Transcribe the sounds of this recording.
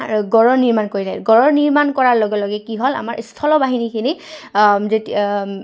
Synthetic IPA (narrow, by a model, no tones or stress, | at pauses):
ɡɔɹɔɹniɹmankoɹizʰajtɡɔɹɔɹniɹmankɔɹaɹlɔɡɛlɔɡɛkiɦola̰ma̰ɹʔistʰɔlɔbaɦinikʰini | zeti